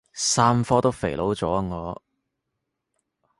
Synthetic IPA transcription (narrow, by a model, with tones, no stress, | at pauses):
saː˥mfɔː˥t̪o˥wfe˨˩jlo˨˥wt͡sɔː˨˥˧ŋɔː˨˧